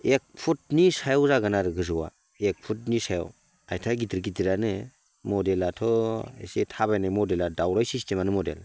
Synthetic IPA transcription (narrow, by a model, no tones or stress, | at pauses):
ek̚pʰut̚nisajɔwzaɡanaɾɯɡɯzɯwa̰ | ek̚pʰut̚nisaja̰w | ajtʰaɡidiɾɡidiɾanɯ | mɔdelatʰɔḛsetʰabajnajmɔdeladawɾajsistʰemanɯmɔdḛl